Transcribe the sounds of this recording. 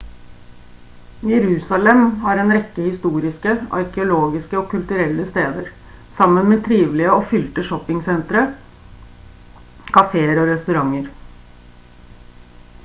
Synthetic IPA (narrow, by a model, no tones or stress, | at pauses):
jɛɾʉːsɑlɛmhɑːɾɛːnɾɛkːəhɪst̪uːɾɪskəɑ̰ɾkəʊloːɡɪskəɔkʉlt̪ʉɾɛlːəst̪eːd̪əɾ | sɑmːənmɛːt̪ʰɾiːʋlɪəɔfʏlt̪əʂɔpːɪŋsɛnt̪ɾə | kʰɑfeːəɾɔɾɛst̪ʉɾɑŋːəɾ